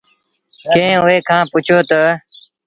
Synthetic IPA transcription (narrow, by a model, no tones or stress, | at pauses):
kẽɦẽʊeːkʰãːpʊt͡ʃʰoːt̪ə